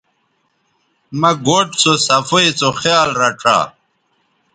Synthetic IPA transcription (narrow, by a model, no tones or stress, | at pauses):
mɐɡoːʈt͡sosɐfoit͡soxjaːlɾɐʈ͡ʂʰa̰ː